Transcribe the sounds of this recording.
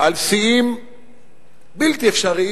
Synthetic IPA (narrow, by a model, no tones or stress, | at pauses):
alsiim | bilt̪iefʃaʁi